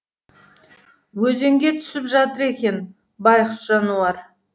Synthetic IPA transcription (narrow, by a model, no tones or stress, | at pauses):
wɵze̞ŋɡʲe̞t̪ʰʏ̥sɪpʒɑt̪əɾe̞kʲe̞n | bɑjqəsʒɑnuɑɾ